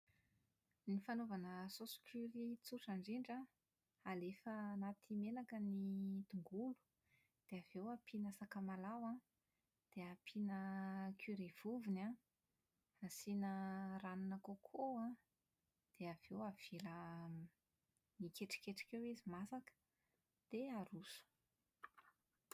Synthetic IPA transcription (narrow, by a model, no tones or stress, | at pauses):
nifanovanəsosu̥kʲʰyɾit͡suʈ͡ʂaɳɖ͡ʐiɳɖ͡ʐa | alefənat̪ʰimenakənit̪uŋɡulu̥ | d̪̥eavewapʰinasakamalawã | d̪̥eapʰinəkʰuɾev̥uvina | asinəranunakokʰoã | d̪̥eav̥ewav̥elə | nikeʈ͡ʂi̥keʈ͡ʂḁkewizimasakə̥ | d̪̥eaɾusu̥